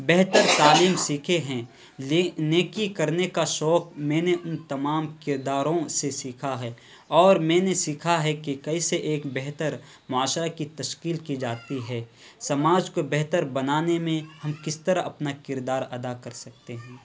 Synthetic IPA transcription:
bɛɦt̪əɾt̪aːliːmsiːkʰeɦɛ̃ː | neːkikɐɾnekaʃɔːk̚mɛ̃ːneʔʊnt̪ɐmaːmkɪɾd̪aːɾõsesiːkʰaɦɛː | ɔːɾmɛ̃ːnesiːkʰaɦɛkekɐiseʔeːkbɛɦt̪əɾ | mʊaːʃɾakit̪ɐʃkiːlkid͡ʒaːt̪iɦɛːsɐmaːd͡ʒkobɛɦt̪əɾbɐnaːnemẽhɐmkɪst̪əɾaʔɐpnakɪɾd̪aːɾɐd̪akɐɾsɐk̚t̪eɦɛ̃ː

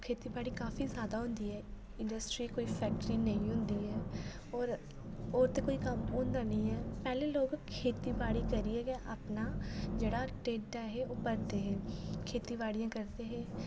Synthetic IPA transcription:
kʰeːt̪iːbaːɽiːkaːfʰiːzjaːd̪aːɦʊ̃nd̪iːɦɛː | ɪ̃ɳɖəsʈɾiːkoːiːpʰɛːk̚ʈəɾiːnəĩːɦʊnd̪iːɦɛː | ɔːɾ | oːɾt̪eːkoːikəmʊ̃nd̪aːnəĩːɦɛːpɛːleːloːɡkʰeːt̪iːbaːɽiːkəɾiɛːɡɛʔapnaːd͡ʒeːɽaːʈeːʈːaɦeʔʊpəɾt̪eɦɛ̃ːkʰeːt̪iːbaːɽijãːkəɾt̪eɦɛ̃ː

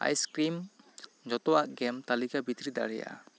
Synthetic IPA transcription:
a̰jskɾimd͡ʒɔt̪ɔwaʔɡɛmt̪alikabit̪ɾid̪a̰ɽɛja̰ʔa̰

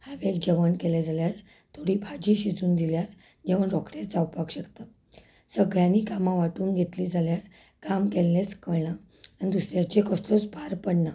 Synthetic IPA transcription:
haʋekd͡ʑəʋənkɛled͡zaljaɾ | t̪ʰoɽibʱad͡ʑiɕid͡zuːnd̪iljaɾd͡ʑẽʋəɳɾɔkɽet͡sd͡zawpakɕəkt̪a | səɡɭjãnːikamãʋaʈuːnɡʱet̪liːd͡zʱaljaɾkamkɛllet͡skəɭɳa | anid̪usɾjat͡ɕekəst̪ɔt͡sbʱaɾpəɽɳa

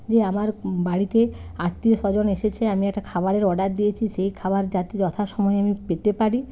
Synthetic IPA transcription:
d͡ʑeamaɾbaɽit̪eaɾt̪ːioʃɔd͡ʑoneʃet͡ɕʰeamiɛk̚ʈakʰabaɽeɾɔɖat̚d̪ijet͡ɕʰiʃejkʰabaɾd͡ʑat̪id͡ʑɔt̪ʰaʃɔmɔeamipet̪epaɽi

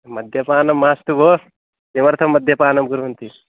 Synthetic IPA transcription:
mɐd̪ʱjɐpaːnɐmːaːst̪uboː | simɐɾt̪ʰɐmːɐd̪ʱjɐpaːnɐmɡuɾuʋɐnt̪i

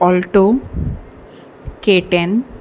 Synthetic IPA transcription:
ɔlʈo | keʈen

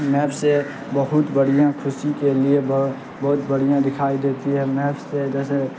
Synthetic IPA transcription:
mɛːbse | bɐɦʊt̪bəɽ̤ijãkʰʊsikelieb | bɐɦʊt̪bəɽ̤ijãd̪ɪkʰaːid̪eːt̪iɦɛmɛːbsed͡ʒɛːse

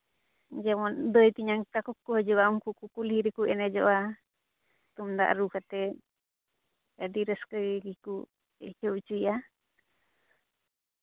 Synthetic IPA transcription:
d͡ʒɛmɔnd̪əjt̪iɲaŋkakukːuɦɔd͡ʒɔɡaumkukukuliɾɛkuʔɛnɛd͡ʒɔʔa | t̪umd̪a̰ʔɾukat̪ɛ | ɛd̪iɾəskəjɡiku | ɛ̰t͡ʃɔʔt͡ʃuja

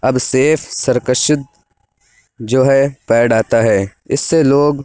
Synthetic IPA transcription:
ɐbseːfʰsɐɾkəʃɪt̪̚ | d͡ʒoːɦɛpɛːɖaːt̪aɦɛːɪsːeloːɡ

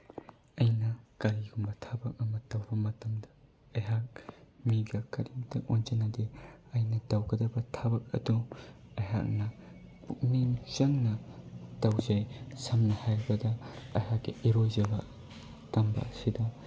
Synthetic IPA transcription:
ɐjnɐkaɾiɡumbɐtʰabɐk̚ɐmɐtɐwbɐmɐtɐmdɐ̥ | ɐjɦak̚miɡɐkɐɾimtʰɐonzɐnɐdeɐjnɐtɐwɡɐdɐbɐtʰabɐk̚ɐ̰duɐjɦa̰k̚nɐpuk̚ninz̥ɐŋnɐtɐwzajsɐmnɐhajɾbɐdɐɐ̰jhakːiiɾojzɐbɐ̰ | tɐmbɐ̰sidɐ

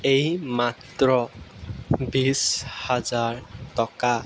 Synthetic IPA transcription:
ejmatɹɔ | bishazaɹtɔka

